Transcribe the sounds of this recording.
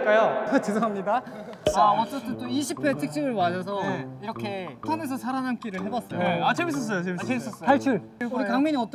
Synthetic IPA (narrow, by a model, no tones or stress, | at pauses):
k͈ajoat͡ɕisʰʌɦamɲidaaʌt͡ɕ͈ʌt͈ɯnt͈oiɕʰipʰe̞tʰɯk̚t͡ɕ͈ʰiɡɯɭwad͡ʑʌsʰʌiɾʌkʰe̞tʰane̞s̬ʰʌsʰaɾanank͈iɾɯɭɦe̞bas͈ʌoeat͡ɕemis̬͈ʌs̬͈ʌjot͡ɕemkʰaɭt͡ɕʰuɭɯiɯkaŋmiɲiʌt͈